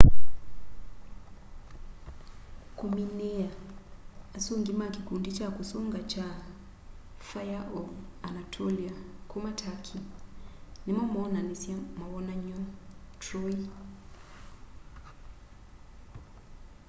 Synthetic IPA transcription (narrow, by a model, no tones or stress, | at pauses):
kuminɛaː | suŋɡimakikundit͡ʃakusuŋɡat͡ʃa | fajaʔɔvanatʰɔliakumatʰakʰi | nimɔmɔnanisimawɔnaɲɔtɾɔi